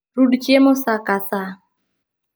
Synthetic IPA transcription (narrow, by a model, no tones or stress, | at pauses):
ɾuɖt͡ʃemosakasa